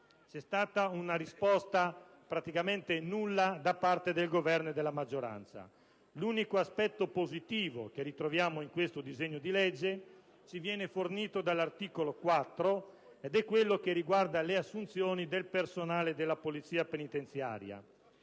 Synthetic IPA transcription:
t͡ʃɛst̪aːt̪aunaɾispɔst̪a | pɾat̪ikament̪enulːad̪apart̪ed̪elɡovɛrnoed̪elːamad͡ʒːoɾa̰nt̪sa̰ | luːnikoaspɛt̪ːopozit̪iːvo̰kerit̪ɾovjaːmoiŋkwest̪od̪izeɲːod̪ilɛd͡ʒːe | t͡ʃivjɛːneforniːt̪od̪alːart̪iːkolokwat̪ːɾo | ed̪ɛkːwelːokeɾiɡward̪aleasːunt̪sjoːnid̪elpersonaːled̪elːapolit̪siːapenit̪ent̪sja̰ːɾja̰

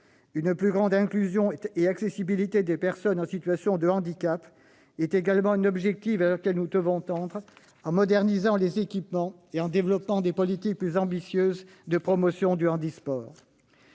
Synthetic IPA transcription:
ynplyɡʁɑ̃d̪ɛ̃klyzjɔ̃eaksesibilit̪ed̪epɛʁsɔnɑ̃sit̪ɥasjɔ̃d̪əɑ̃d̪ikap | ɛt̪eɡalmɑ̃ynɔbʒɛk̚t̪ifalakʲɛlnud̪əvɔ̃t̪ɑ̃d̪ʁ | ɑ̃mɔd̪ɛʁnizɑ̃lezekʲipmɑ̃ | eɑ̃d̪evlɔpmɑ̃d̪epɔlit̪ik̚plyzɑ̃bisjøz | d̪əpχɔmɔsjɔ̃d̪yɑ̃d̪ispɔːʁ

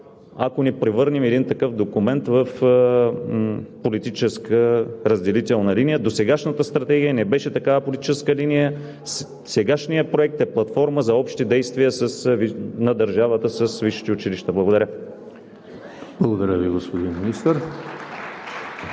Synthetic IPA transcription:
akonipɾɛvɤɾnɛmɛd̪int̪ɐkɤfd̪okʊmɛnt̪vəf | polit̪it͡ʃɛskəɾəzd̪ɛlit̪ɛlˠnɐlinijəd̪osɛɡaʃnət̪əst̪ɾɐt̪ɛɡʲijənɛbɛʃɛt̪ɐkavəpolit̪i̥t͡ʃɛskəlinijə | sɛɡaʃnijəpɾoɛk̚t̪ɛplˠɐt̪fɔɾməzɐɔpʃt̪id̪ɛjst̪viəsəsvinɐd̪ɐɾʒavət̪əsəsviʃi̥t̪ɛʊt͡ʃiliʃt̪əblˠɐɡod̪ɐɾʲə | b̥lˠɐɡod̪ɐɾʲəviɡospod̪inminist̪əɾ

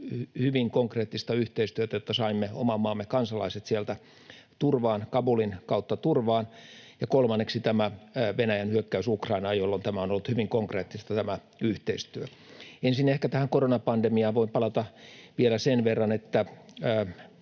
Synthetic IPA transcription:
hyʋiŋkoŋkreːt̪ːist̪ɑyht̪eist̪yøt̪æjot̪ːɑsɑimːeo̰mɑmːɑːmːekɑnsɑlɑ̰iset̪sielt̪æ | t̪urʋɑːnkɑbulinkɑut̪ːɑt̪urʋɑːnjɑkolmɑnːeksit̪æmæʋenæjænhyøkːæysukrɑinɑːjolːont̪æmæonolːut̪hyʋiŋkoŋkreːt̪ːist̪ɑt̪æmæ | yht̪eist̪yø | ensinehkæt̪æhæŋkoronɑpɑndemiɑːʋoimpɑlɑt̪ɑʋielæsenʋerːɑnet̪ːæː

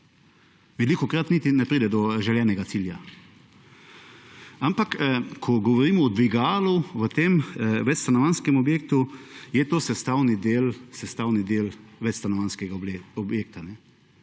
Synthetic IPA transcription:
ʋɛlikɔkɾat̪nit̪inɛpɾiːd̪ɛd̪ɔʒɛljɛːnɛɡat̪siːlja | ampakkʰɔɡɔʋɔɾiːmɔːd̪ʋiɡaːluʋət̪emʋɛt͡ʃ̪st̪anɔʋanskɛmɔbjeːkt̪ujɛt̪oːsɛst̪awnid̪eːlsɛst̪awnid̪eːlʋɛt͡ʃst̪anɔʋanskɛɡaɔbjekt̪anɛ

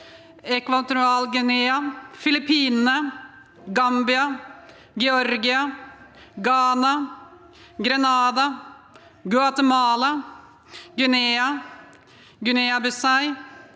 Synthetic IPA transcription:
ɛkʋɑt̪ɾɑːlɡɛneːɑfɪlɪpiːnənə | ɡɑmbɪɑ | ɡɛɔɾɡɪɑ | ɡɑːnɑ | ɡɾɛnɑːd̪ɑ | ɡʉɑt̪əmɑːlɑ | ɡʉneːɑ | ɡʉneːɑbɛsɑɪ

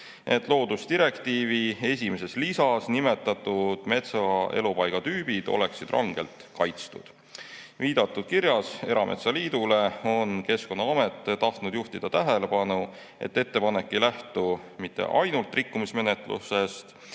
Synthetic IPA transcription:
e̞t̪ːˑlo̞ːd̪̥ust̪iɾe̞kt̪iːvie̞sʲime̞se̞slisɑsnime̞t̪ːˑɑt̪ːˑud̪̥me̞t̪sɑe̞̰lupɑjɡ̥ɑt̪yːb̥id̪̥o̞̰le̞ksid̪̥rɑ̰ŋɡ̥e̞̰lt̪kɑjt̪st̪ṵd̪̥ | viːd̪̥ɑt̪ːˑud̪̥̚kiɾjɑse̞ɾɑme̞̰t̪sɑliːd̪̥ule̞o̞nke̞sko̞nːɑɑme̞t̪ːˑt̪ɑht̪nud̪̥juht̪id̪̥ɑt̪æɦe̞le̞pɑnu | e̞̰t̪ːe̞t̪ːe̞pɑne̞kːelæht̪umit̪ːˑe̞̰ʔɑjnult̪ˑrikːumisme̞ne̞t̪ˑlṵse̞st̪

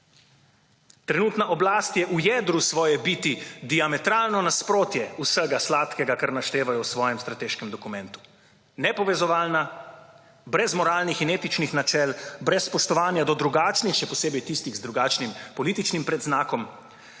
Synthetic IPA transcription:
t̪ɾɛnuːt̪naʔɔblast̪jɛʔujɛːd̪ɾusʋɔːjɛbit̪id̪iamɛt̪ɾaːlnɔnaspɾoːt̪jɛusəɡaslaːt̪kɛɡakaɾnaʃt̪eːʋajɔwsʋɔːjɛmst̪ɾat̪eːʃkɛmd̪ɔkumɛ̃nt̪u̥ | nɛpɔʋɛzɔʋaːlna | bɾɛzmɔɾaːlnixineːt̪it͡ʃnixnat͡ʃɛlbɾɛsːpɔʃt̪ɔʋaːnjad̪ɔd̪ɾuɡaːt͡ʃnixʃɛpɔseːbɛjt̪ist̪iɣzd̪ɾuɡaːt͡ʃnimpɔliːt̪it͡ʃnimpɾɛd̪znaːkɔm

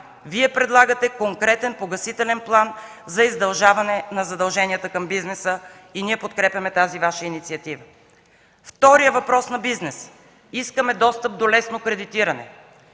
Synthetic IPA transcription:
viɛpɾɛd̪lˠaɡət̪ɛkoŋkɾɛt̪ɛnpoɡɐsit̪ɛlɛnplˠan | zɐizd̪ɐlˠʒavɐnɛnɐzɐd̪ɐlˠʒɛnijət̪əkəmbiznɛsə | iniɛpot̪kɾɛpʲjɐmɛt̪azivaʃəinit̪siɐt̪ivə | ft̪ɔɾijəvɐpɾɔsnɐbiznɛs | iskəmɛd̪ɔst̪əp̚d̪olɛsnokɾɛd̪it̪iɾɐnɛ̰

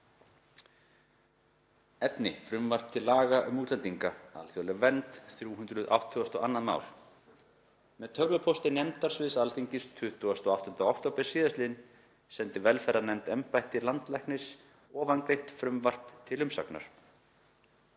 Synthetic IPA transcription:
ɛpnɪfɾʏmvar̥p̚t̪ʰɪlːaːɣaʔʏmuːt̪lɛnt̪iŋkaa̰lθjowlɛvɛnt̪θɾjuːɦʏnt̪ɾʏðʔa̰wht̪ʰːʏast̪ɔʔanːama̰ːwl | mɛðt̪ʰœɾvʏpʰɔst̪ɪnɛmt̪aɾ̥svɪðsalt̪iɲcɪst̪ʰːʏht̪uast̪ɔawht̪ʏnt̪aawht̪opɪɾ̥siːðast̪lɪn | sɛnt̪ɪvɛlfɛranɛmt̪ɛmpajht̪ʰːɪlant̪lɛhknɪs | ɔːvaŋkɾejht̪fɾʏmvar̥pt̪ʰːɪlʏmsa̰kna̰ɾ̥

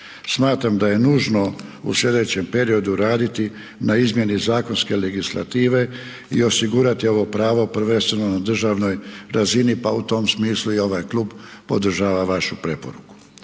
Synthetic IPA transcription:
smaːt̪ɾamd̪aje̞nuːʒno̞ṵslʎʲe̞d̪e̞t͡ɕe̞mpe̞ɾio̞d̪uɾaːd̪it̪i | naizmje̞nizaːko̞nske̞le̞ɡislˠa̰t̪iːʋe̞ | io̞siɡuːɾat̪io̞ʋo̞pɾaːʋopr̩ʋenst̪ʋenonad̪r̩ʒaːʋno̞jɾazinipaut̪o̞msmiːslˠuio̞ʋajklˠuːbpo̞d̪r̩ʒaːʋaʋaʃupɾe̞po̞̰ɾuku̥

